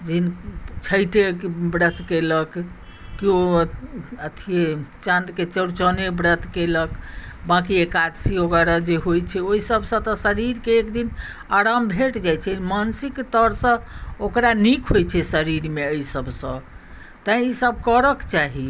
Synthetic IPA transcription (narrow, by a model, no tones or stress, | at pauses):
d͡ʒint͡ʃʰəjʈebɾət̪ʰkeləkː | io | ət̪ʰiet͡ʃãnd̪ket͡ʃəɾt͡ʃənebɾət̪ʰkeləkbakiekad̪sioɡəɾad͡ʒeɦojt͡ʃʰɛoisəbʱsə̃t̪ɔsəɾiɾkeːkd̪in | aɾambʱeʈd͡ʒajt͡ʃʰɛmansikt̪əɾsə̃okɾanikʰɦojt͡ʃʰɛsəɾiɾmeəisəbsə̃ | t̪ãisəb̚ʱkəɾəkt͡ʃaɦi